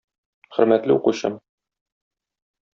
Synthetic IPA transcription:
χɵ̆ɾmæt̪lɘuquɕɤ̰m

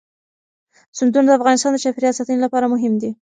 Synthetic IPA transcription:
sʊnd̪und̪əafɣɑnɪst̪ɑnd̪ət͡ʃɑpiɾijɑsat̪ənolapɑɾamʊɦɪmd̪i

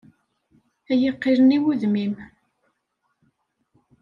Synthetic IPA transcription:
æjəqːiɾəniwuðmim

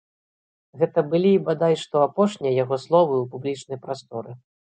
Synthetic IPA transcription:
ɣɛt̪ɐbɨlʲiːbad̪ajʂt̪ɔapɔʂnʲijɐjaɣɔslˠɔvɨupublʲit͡ʂnɐjpɾast̪ɔɾɨ

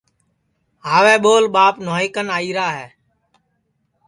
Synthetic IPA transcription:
ɦaːʋeːɓoːlɓaːpnoːɦɪkənaːiːɾaːɦɛː

